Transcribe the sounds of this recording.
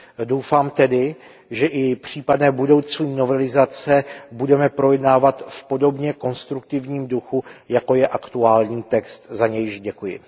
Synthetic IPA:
dowfaːmt̪ɛdɪ | ʒɛʔɪpr̝̥iːpadnɛːbudo̞wt͡suːno̞vɛlɪzat͡sɛbudɛmɛpɾo̞jɛdnaːvat̪fpo̞do̞bɲɛko̞nst̪ɾuk̚t̪ɪvɲiːmduxujako̞jɛʔakt̪uaːlɲiːt̪ɛkst̪zaɲɛjɪʒɟɛkujɪ̰

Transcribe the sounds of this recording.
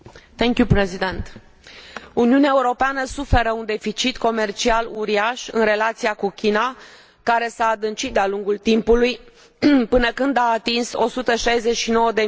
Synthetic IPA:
θeŋkjupɾezid̪ent̪ | uniuneaeuɾo̞peanəsufe̞ɾəund̪e̞fit͡ʃit̪ko̞me̞rt͡ʃialuɾiaʃɨ̰nre̞lat̪sijakukʲina | kaɾe̞saːd̪ɨnt͡ʃit̪̚d̪ealuŋɡult̪impuluj | pɨnəkɨnd̪aːt̪inso̞sut̪əʃajze̞t͡ʃʃino̞wəd̪e̞

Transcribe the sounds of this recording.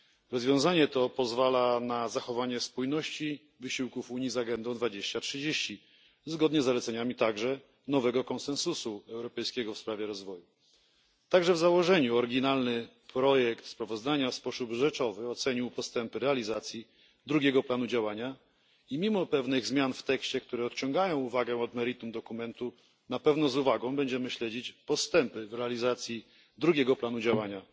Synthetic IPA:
ɾɔzvʲjɔ̃w̃zaɲɛt̪ɔpɔzvalanazaxɔvaɲɛspujnɔɕt͡ɕi | vɘɕiwkufuɲizaɡɛnd̪ɔw̃d̪vad͡ʑeɕt͡ɕatʂɘd͡ʑeɕt͡ɕi | zɡɔd̪ɲɛzːalɛt̪sɛɲamʲit̪aɡʐɛ | nɔvɛɡɔkɔ̃nsɛnsusuɛwɾɔpɛjskʲɛɡɔfspɾavʲjɛɾɔzvɔju | t̪aɡʐɛvzawɔʐɛɲuɔɾɡʲinalnɘ | pɾɔjɛkt̪spɾavɔzd̪aɲafspɔsubʐɛt͡ʂɔvɘɔt̪sɛɲiwpɔst̪ɛmpɘɾɛalʲizat̪sʲji | d̪ɾuɡʲɛɡɔplanud͡ʑawaɲa | imʲimɔpɛvnɘɣzmʲjanft̪ɛkɕt͡ɕɛk̚t̪uɾɛɔt̪t͡ɕɔ̃ŋɡajɔ̃w̃uvaɡɛ̃ɔd̪mɛɾit̪umd̪ɔkumɛnt̪u | napɛvn̪ɔzuvaɡɔ̃w̃bɛɲd͡ʑɛmɘɕlɛd͡ʑit͡ɕpɔst̪ɛmpɘvɾɛalʲizat̪sʲji | d̪ɾuɡʲɛɡɔplan̪ud͡ʑawaɲa

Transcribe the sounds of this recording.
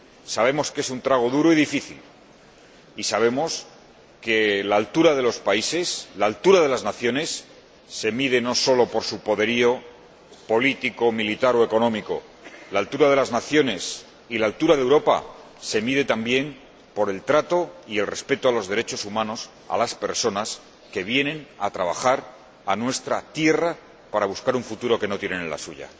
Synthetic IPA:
saβ̞e̞mo̞ske̞sunt̪ɾaɣ̞o̞ðuɾoiðifiθḭl | isaβ̞e̞mo̞s | ke̞laːlt̪uɾaðe̞lo̞spaise̞slaːlt̪uɾaðe̞laznaθjo̞ne̞sː | e̞miðe̞no̞so̞lo̞po̞ɾsupo̞ðe̞ɾio̞ | po̞lit̪iko̞milit̪aɾo̞e̞ko̞nõ̞miko̞̰ | laːlt̪uɾað̞e̞laznaθjo̞ne̞s | ilaːlt̪uɾaðewɾo̞pa̰ | se̞miðe̞t̪ambje̞m | po̞ɾe̞lt̪ɾat̪o̞ie̞lre̞spe̞t̪oalo̞zðe̞ɾe̞t͡ʃo̞sumãno̞s | a̰laspe̞̰ɾso̞nas | ke̞βje̞nẽ̞nat̪ɾaβ̞axaɾ | anwe̞st̪ɾat̪je̞ra | paɾaβuskaɾuɱfut̪uɾo̞ke̞no̞t̪je̞nenla̰suʝa̰

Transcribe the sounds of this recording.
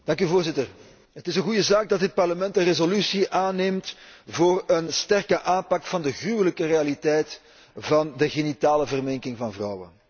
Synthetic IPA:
d̥ɑŋk̬yvoːrzɪtər | ɦətɪsənɣujəzaːɡ̚dɑtɦət̚pɑrləmɛntənrezolysiʔaːneːmtvoːrənstɛrkəʔaːmpɑkfɑndəɣrywələkərealitɛjt | vɑndəɣenitaːləvərmɪŋkɪŋvɑnvrɔwə̰n

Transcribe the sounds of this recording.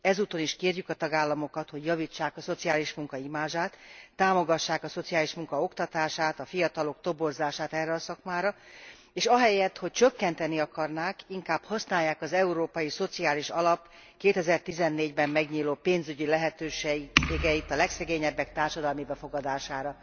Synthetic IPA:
ɛzuːt̪o̞niʃkeːrjykɒt̪ɒɡaːlːɒmo̞kɒt̪ho̞ɟjɒvit͡ʃːaːkɒso̞t̪siaːliʃmuŋkɒimaːʒaːt̪ːaːmo̞ɡɒʃːaːkɒso̞t̪sijaːliʃmuŋkɒo̞kt̪ɒt̪aːʃaːt̪ɒfijɒt̪ɒlo̞k̚t̪o̞bo̞rzaːʃaːt̪ɛrːɛɒsɒkmaːɾɒ | eːʃɒɦɛjɛt̪ho̞c̚t͡ʃø̞kːɛnt̪ɛniɒkɒrnaːkiŋkaːbhɒsnaːjːaːkɒzɛuɾoːpɒjiso̞t̪siaːliʃɒlɒp | keːt̪ɛzɛrt̪izɛnːeːɟbɛmːɛɡɲiːloːpeːnzyɟilɛɦɛt̪øːʃeʃeːɡɛit̪ɒlɛksɛɡeːɲɛbːɛk̚t̪aːrʃɒd̪ɒlmibɛfo̞ɡɒd̪aːʃaːɾɒ

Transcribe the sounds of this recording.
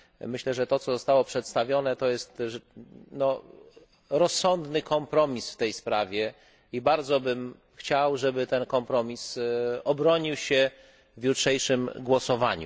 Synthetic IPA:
mɘɕlɛʐɛt̪ɔt̪ɔzɔst̪awɔpʂɛt̪st̪avʲjɔn̪ɛt̪ɔjɛst̪ | nɔ | ɾɔsːɔnd̪nɘkɔmpɾɔmʲisft̪ɛjspɾavʲjɛ | ibaɾd̪zɔbɘm | xt͡ɕawʐɛbɘt̪ɛnkɔmpɾɔmʲisɔbɾɔɲiwɕɛ | vjutʂɛjʂɘmɡwɔsɔva̰ɲṵ

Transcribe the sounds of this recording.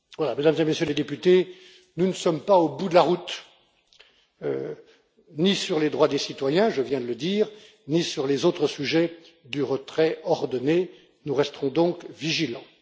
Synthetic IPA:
vwalamed̪amzemesjøled̪epyt̪e | nunəsɔmpaobud̪əlaʁut̪ | ø̰ | nisyʁled̪ʁwad̪esit̪wajɛ̃ʒəvjɛ̃d̪ələd̪iːʁ | nisyʁlezot̪χəsyʒɛ | d̪yʁət̪χɛɔʁd̪ɔne | nuʁɛst̪əʁɔ̃d̪ɔ̃kviʒilɑ̃

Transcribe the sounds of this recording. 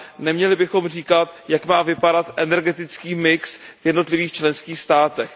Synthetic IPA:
nɛmɲɛlɪbɪxo̞mr̝iːkat̪jakmaːvɪpadat̪ʔɛnɛɾɡɛt̪ɪt͡skiːmɪksvjɛdno̞t̪lɪviːxt͡ʃlɛnskiːxst̪aːt̪ɛx

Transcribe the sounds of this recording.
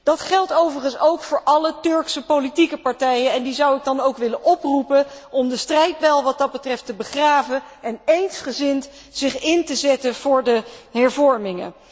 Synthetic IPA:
d̥ɑtχɛlˠtowvəɹχənsowkfʊːɹʔɑlətɵɹksəpowlitikəpɑɹtɛjənɛndizɑwɪɡ̚dɑnowkʋɪlənʔɔprupəʔɔmdəstrɛjt̚bɛlˠʋɑt̚dɑd̚bətrɛftəbəχraːvəɛnejnsχəzɪnt | z̥ɪχɪntəzɛtəv̥ʊːɹdəɦɛɹvɔɹmɪŋə̰

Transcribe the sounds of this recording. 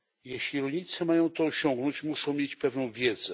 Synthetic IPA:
jɛɕlʲiɾɔlʲɲit̪sɛmajɔ̃w̃t̪ɔɕɔŋɡnɔt͡ɕmuʂɔ̃w̃mʲjet͡ɕpɛvnɔ̃w̃vʲjɛd̪zɛ

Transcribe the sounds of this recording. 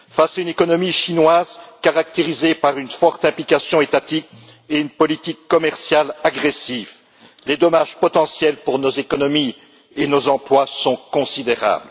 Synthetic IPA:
fasaynekɔnɔmiʃinwazkaʁak̚t̪eʁizepaʁynfɔʁt̪ɛ̃plikasjɔ̃et̪at̪ik̚ | eynpɔlit̪ikːɔmɛʁsjalaɡʁesiv | led̪ɔmaʒpɔt̪ɑ̃sjɛlpuʁnozekɔnɔmi | enozɑ̃plwasɔ̃kɔ̃sid̪eʁa̰ːbl

